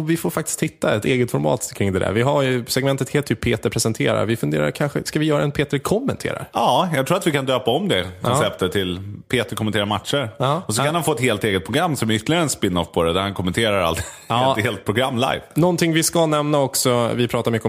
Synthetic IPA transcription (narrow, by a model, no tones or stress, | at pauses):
vɪfoːɾfak̚t̪ɪst̪ʰhɪt̪ːaɛt̪eːɡət̪fɔɾmɑ̰ːt̪kʰɾɪŋd̪ɛd̪æ̰ɾvɪɦaɾjɵsɛɡmɛnt̪ət̪heːt̪ʰːyːpʰːeːt̪əɾpʰɾɛsɛnt̪ʰḛːɾa̰ɾvɪfɵnd̪eːɾa̰ɾkʰanɧə̰skavɪjœːɾaɛnpʰeːt̪əɾkʰɔmːɛnt̪ʰḛːɾa̰ɾɑːjɑɡt̪ʰɾuːat̪vɪkʰand̪øːpaɔmd̪ɛkʰɔnsɛpt̪ət̪ʰːɪlpʰeːt̪əɾkʰɔmɛnt̪eːɾaɾmat̪ʂəɾːɔsɔkʰanhanfoːɛt̪heːlt̪eːɡət̪̚pʰɾʊɡɾamːsɔmæɾʏt̪ʰːlɪɡaɾəɛnspɪnːɔfpʰɔd̪ɛd̪æɾhankʰɔmːɛnt̪ʰeːɾaɾa̰lt̪ | heːlt̪̚pʰɾʊɡɾamːla̰jvnɔnt̪ʰɪŋvɪskanɛmnaɔksɔvɪpʰɾɑːt̪aɾmʏkːəɔ